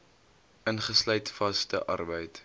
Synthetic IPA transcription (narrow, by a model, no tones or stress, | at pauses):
ʔənχəslœjtfɐstəʔɐ̰rbəjt